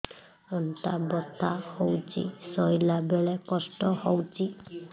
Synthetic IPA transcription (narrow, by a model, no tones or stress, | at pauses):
ɔnt̪abɔt̪ʰahowt͡ʃʰḭsɔjlabeɭekɔsʈɔhɔwt͡ʃʰi